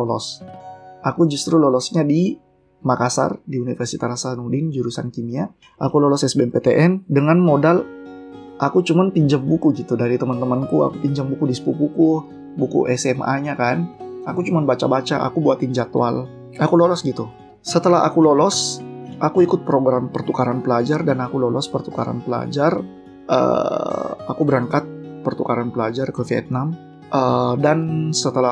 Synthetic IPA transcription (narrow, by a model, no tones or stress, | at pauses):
lolɔ̰s | ʔakud͡ʒust̪ɾulɔlɔsɲadi | makasa̰rdiunifərsit̪aɾasanudɪnd͡ʒuɾusankimia | ʔakulɔlɔsɛsbeɛmpet̪eʔɛndəŋanmodal | ʔakut͡ʃumanpiɲd͡ʒaŋbukuɡit̪udaɾit̪əmənt̪əmənkua̰kupiɲd͡ʒaŋbukudispupukuh | bukṵʔɛsɛmʔa̰ɲakanakut͡ʃumanbat͡ʃabat͡ʃa̰ʔa̰kubuat̪iɲd͡ʒat̪wa̰l | akulolɔsɡit̪u | sət̪əlaɦa̰kulolɔsʔakuikʊt̪̚pəɾoɡɾampərt̪ukaɾanpəlad͡ʒardanakulolɔspərt̪uka̰ɾa̰npəla̰d͡ʒar | ʔə̰ | akubəɾaŋkat̪̚pərt̪ukaɾanpəlad͡ʒarkəfiɛ̰t̪̚nam | ʔədansət̪əla